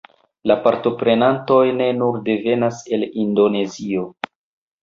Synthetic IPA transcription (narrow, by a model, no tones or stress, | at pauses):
lapaɾto̞pɾe̞nanto̞jne̞nuɾde̞ve̞nase̞lindo̞ne̞zio̞